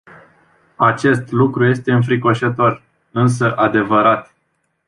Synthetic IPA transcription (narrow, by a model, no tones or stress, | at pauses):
at͡ʃe̞st̪lukɾuje̞st̪e̞ɨnfɾiko̞ʃət̪o̞r | ɨns̬əʔad̪e̞vəɾat̪